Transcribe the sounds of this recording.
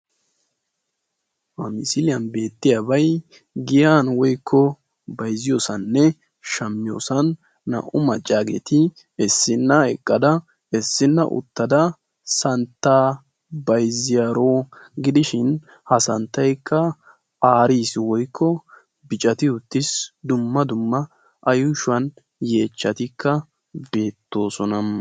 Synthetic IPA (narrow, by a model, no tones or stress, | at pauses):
hɐmɪsɪlɪjɐnbeːt̪ːɪjaːbɐj | ɡɪjaːnwɔjkʰːɔ | bɐjzɪjo̞ːsɐnːɛ | ʃɐmːɪjo̞̰ːsɐnː | ɐ̰ʔʊmɐt͡ʃʼːaːɡḛːt̪ɪ | ɛsːɪnːɐɛkʼːɐd̪ɐ | ɛsːɪnːɐ̰ʔʊ̰t̪ːɐd̪ɐ | sɐnt̪ːaː | bɐjzɪjaːɾoːɡɪd̪ɪʃɪn | hɐsɐnt̪ːɐjkʰːɐ | ʔaːɾiːswɔjkʰːɔ | bɪt͡ʃʼɐt̪ɪʊt̪ːɪsd̪ʊmːɐd̪ʊmːɐ | ʔɐjʊʃʊwɐn | je̞ːt͡ʃːɐt̪ɪkːɐ | be̞ːt̪ːo̞ːsɔnɐ